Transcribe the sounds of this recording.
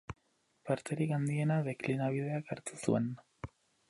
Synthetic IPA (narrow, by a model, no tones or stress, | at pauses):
paɾt̪e̞ɾikand̪ie̞naðe̞klinaβ̞ið̞e̞akaɾt̪usṵe̞n